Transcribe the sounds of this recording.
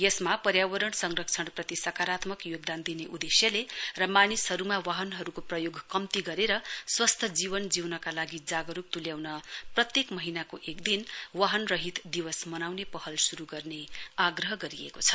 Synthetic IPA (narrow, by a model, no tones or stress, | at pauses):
jʌsmapʌɾjawʌɾʌɳsʌŋrʌk̚t͡sʰʌɳprʌt̪isʌkaɾat̪mʌkjoɡ̚d̪and̪ineʔud̪esjʌlerʌmanisɦʌɾumawaɦʌnɦʌɾukoprʌjoɡʱkʌmt̪iɡʌɾeɾʌswʌst̪ʰʌd͡ziβʌnd͡ziwnʌkalaɡid͡zaɡʌɾup̚t̪uljawnʌprʌt̪jekmʌɦinakoʔekd̪inwaɦʌnrʌɦit̪d̪iwʌsmʌnawnepʌɦʌlsuɾuɡʌrneaɡrʌɦʌɡʌɾiḛkot͡sʰʌ̥